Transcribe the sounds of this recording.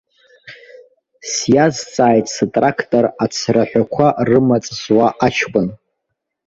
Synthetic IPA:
sjazt͡sʼaːjtʰʼsatʼrakʰtʼorat͡sʰraħᶣʷakʷʰarɨmat͡sʼzwaʔat͡ʃʰkʼʊn

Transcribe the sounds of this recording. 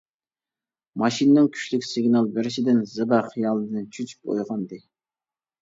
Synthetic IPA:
mɑʃinɨnɨŋkʲʰy̥ʃʲlykʲsɨɡʲnɑlˠbɪɾɪʃɪd̪ɪnzɪbæχijɑlˠɨd̪ɨnt͡ʃʰyt͡ʃʰy̥p̚o̰jʁɑnd̪ɨ

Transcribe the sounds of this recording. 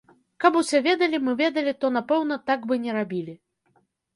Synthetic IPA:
kapusʲɛvʲɛd̪ɐlʲimɨvʲɛd̪ɐlʲit̪ɔnapɛwnɐt̪aɡbɨnʲɛɾabʲilʲi

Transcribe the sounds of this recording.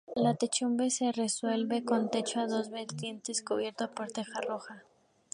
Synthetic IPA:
lat̪et͡ʃumbe̞se̞re̞swe̞lβe̞ko̞nt̪e̞t͡ʃoaðo̞zβeɾt̪je̞nt̪e̞skuβje̞ɾt̪opo̞ɾt̪e̞xaro̞xa

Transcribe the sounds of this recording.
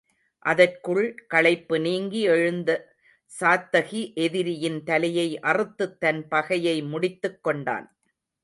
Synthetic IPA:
ʔɐðɐrkɯɭkɐɭɐɪpːɯniːŋɡiɛɻɯnd̪ɐ | saːt̪ːɐɣiʔɛðɪɾɪjɪnt̪ɐlɐjɐɪʔɐrɯt̪ːɯt̪ːɐnpɐɣɐjɐɪmʊɽɪt̪ːɯkːɔɳɖa̰ːn

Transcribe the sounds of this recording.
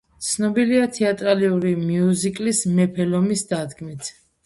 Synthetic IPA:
t̪sʰnɔbiliat̪ʰɛat̪ʼɾaliuɾimiuzikʼlismɛpʰɛlɔmisd̪ad̪ɡmit̪ʰ

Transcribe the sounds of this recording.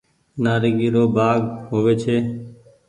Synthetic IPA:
naːɾiːɡiːɾoːbʱaːɡɦoːʋeːt͡ʃʰeː

